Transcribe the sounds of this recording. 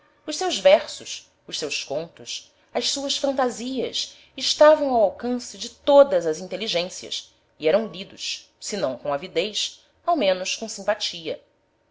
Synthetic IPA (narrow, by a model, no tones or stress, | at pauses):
ʊʃsewzvɛɾsʊs | ʊʃsewskõnt̪ʊs | ɐʃsuɐsfɐ̃nt̪aziɐ̰s | ɪʃt̪avɐ̃w̃awawkɐ̃sɪd͡ʒɪt̪od̪ɐzɐzĩnt̪eliʒẽsiɐ̰s | iɛɾɐ̃w̃lid̪ʊʃ | sɪnɐ̃w̃kõavid̪ejs | awmẽnʊskõsĩmpat͡ʃiɐ̰